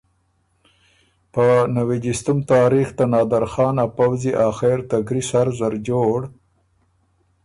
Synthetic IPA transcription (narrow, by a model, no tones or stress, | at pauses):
pənawid͡ʒist̪ʊmt̪ɑːɾixt̪anɑːd̪aɾxɑːnapawziʔɑːxeɾt̪aɡɾisaɾzaɾd͡ʒoːɽ